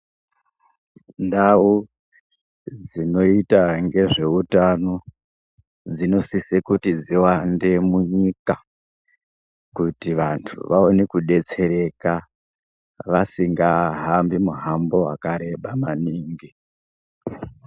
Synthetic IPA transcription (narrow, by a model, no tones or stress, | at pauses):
ndau | d͡zino̞itaŋɡe̞ʐe̞utano̞ | d͡zino̞sisekutid͡ziwande̞muɲika | kutiʋantʰṵʋao̞nekuɗe̞t͡se̞ɾe̞ka | ʋasiŋɡaɦambimuɦambo̞wa̰kaɾe̞ɓamaniːŋɡi